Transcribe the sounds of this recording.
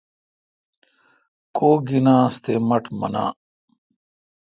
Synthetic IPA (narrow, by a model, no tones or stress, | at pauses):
koːɡinãːst̪eːmɐʈmɐ̰na̰ː